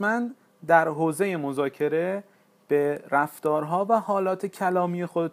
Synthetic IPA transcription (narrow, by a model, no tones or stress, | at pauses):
mænd̪ | d̪æɾɦoːze̞jemo̞zɒːcʰe̞ɾe̞ | b̥eɾæft̪ɒːɾɦɒːvæhɒːlɒːt̪ʰecʰælɒːmiːjexod̪et̪